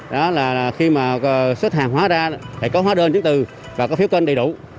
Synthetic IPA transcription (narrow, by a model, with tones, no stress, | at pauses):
ɗɔ˨˦laː˨˩˨xi˧maː˨˩˨swə˦˥t̚haː˨˩ŋɦwaː˨˦zaː˧t̪ʰa̰˧˩jkɔ˨˦ɦaː˨˦ɗəː˧nt͡ɕɨ˨˦ŋt̪ɨ˨˩ | vaː˨˩kɔ˨˦fi˨˦əwkwə˧nɗjɗṵ˧˩˨